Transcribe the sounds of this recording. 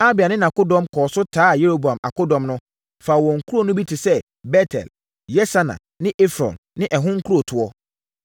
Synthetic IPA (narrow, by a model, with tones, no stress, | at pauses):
a˦bɪ˨a˨nɪ̃˦nã˨ko˦dɔ̃˦mkʰɔː˨sʊ˦tʰaː˦˨je˦ɾo˦bu˨ã˨ma̰˨ko˦dɔ̃˨mnʊ̃˦ | faː˨wɔ̃˨ŋ̩˨kʰu˦ɾo˦˨nʊ̃˦bi˦tʰɪ˨sɛ˦ | bɛ˦tʰɛ̰˨l | jɛ˦sa˦nã̰˨ | nɪ̃˦ʔe˦fɾɔ̰̃˨nːɪ̃˦ʔɛ˨ɦʊ̃˦ŋ̩˦kʰu˦ɾo˨tʰʊ˨ɔ˦